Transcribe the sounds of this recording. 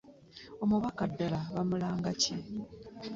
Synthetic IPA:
o̞muβakadːalaβamulaːŋɡace

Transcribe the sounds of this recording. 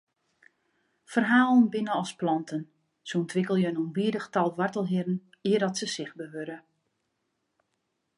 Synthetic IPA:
fərɦaːlˠənbɪnəɔsplɔntʰən | suəntʋɪkəlˠjəənonbiədəxtɔlˠʋɔrtəlˠɦɪrn̩ | iərdɔtsəsɪxbəʋøɾə

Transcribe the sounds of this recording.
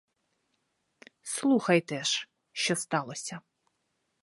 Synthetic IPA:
slˠuxɐjt̪ɛʂ | ʃt͡ʃɔst̪alˠosʲɐ

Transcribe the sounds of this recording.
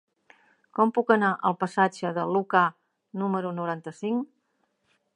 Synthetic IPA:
kɔmpukənaʔəlˠpəsad͡ʒəðəluka | numəɾunuɾant̪əsiŋ

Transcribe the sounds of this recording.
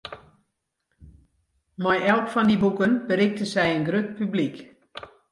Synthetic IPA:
mɔjɛlˠkfɔndibukənbəɾɪk̚təsɛjənɡrøt̚pyblik

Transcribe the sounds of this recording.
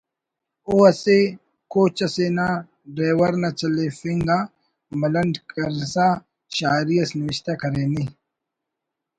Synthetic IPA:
oɐse | koːt͡ɕɐseːnaː | ɖɾeːwɐɾnɐt͡ɕɐlefiŋɡa | mɐlɐnɖkɐɾsa | ɕaːɾijɐsnɪwiɕt̪akɐɾeːni

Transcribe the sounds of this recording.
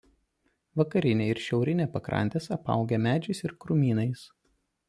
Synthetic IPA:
ʋɐkɐɾʲɪnʲeɪɾʃʲɛʊɾʲɪnʲeːpɐkɾɐ̰nʲt̪ʲeːsɐpɐ̰ˑʊɡʲɛmʲæːd͡ʒʲɛɪsɪɾkɾʊmʲiːnɐɪs

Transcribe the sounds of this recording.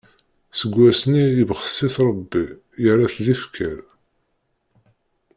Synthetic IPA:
səɡʷːæsniəvχə̥sˤːiθɾˤəbːi | jəɾæθðifkʰæɾ

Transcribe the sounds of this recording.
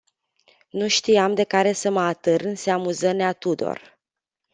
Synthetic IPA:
nuʃt̪iamd̪e̞kaɾe̞səməat̪ɨɾɨnseamuzəneat̪ud̪o̞̰r

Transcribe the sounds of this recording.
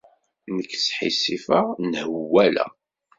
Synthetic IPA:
nəkːsħḭsifanhəwːælæ̰

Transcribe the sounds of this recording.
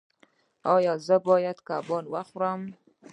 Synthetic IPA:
ɑjɑzəbɔjad̪kabɔnwaxɾam

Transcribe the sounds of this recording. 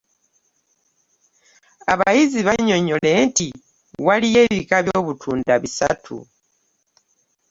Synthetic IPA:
aβajiziβaɲo̞ɲo̞le̞nti | walijeːβikaβjo̞ːβutʰuːndaβisa̰tʰṵ

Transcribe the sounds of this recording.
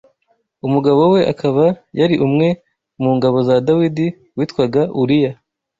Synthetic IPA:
umuɡaβo̞we̞ʔakʰaβajaɾiʔumŋe̞ | muːŋɡaβo̞zadawidi | wiːtkwaɡauɾija

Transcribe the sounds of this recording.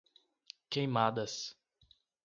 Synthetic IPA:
kejmad̪ɐs

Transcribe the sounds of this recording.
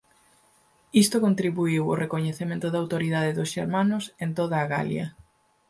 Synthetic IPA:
ist̪okõnt̪ɾiβuiwo̰rʔekoɲeθemẽnt̪ʊðawt̪oɾiðaðeðʊsʃeɾmanʊsent̪oðaːɣa̰ljɐ̰

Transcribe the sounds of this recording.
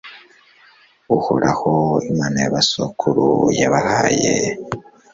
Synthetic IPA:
uhoɾahoimanajaβasokʰuɾujaβahaje

